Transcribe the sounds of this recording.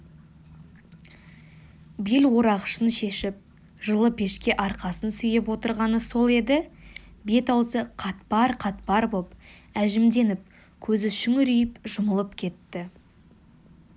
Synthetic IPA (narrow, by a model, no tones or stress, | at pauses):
belwo̞ɾɑʁəʃənʃe̞ʃɪp̚ | ʒəlˠəpʰe̞ʃkʲe̞ʔɑɾqɑsənsʏjɪp̬wo̞t̪əɾʁɑnəso̞lˠe̞d̪ɪbe̞t̪ɑwzəqʰɑt̪̚pɑɾqʰɑt̪̚pɑɾbopæʒɪmd̪e̞nɪp̚ | kʲʰɵzɪʃʏŋʏɾijɪpʒʊməlˠəpkʲʰe̞t̪ːɪ